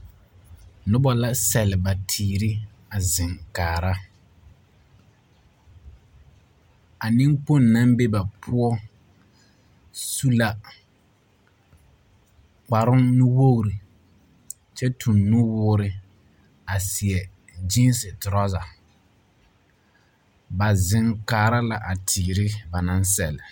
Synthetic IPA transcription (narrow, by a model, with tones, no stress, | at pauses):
nʊ˦bɔ˦la˦sɛ˨lɪ˨ba˨tʰiː˨ɾi˦ | a˨zɪ˨ŋkaː˨ɾa˦ | a˨nɪ̃˦ŋk͡po˦˨nːã˦mbe˦ba˨pʰʊ˦ɔ˦ | su˦la˦ | k͡pa˨ɾʊ˦nʊ˦wo˦ɣɾi˨ | t͡ʃɛ˦tʰʊ˨nːʊ˦wʊː˦ɾɪ˨ | a˨sɪ˨ɛ˨ | d͡ʒi˦n˦sɪ˨tɾɔ˦za˨ | ba˨zɪ˦ŋkaː˨ɾa˦la˦ʔa˨tʰiː˨ɾɪ˦ba˨nã˦n˦sɛ˨lɪ˨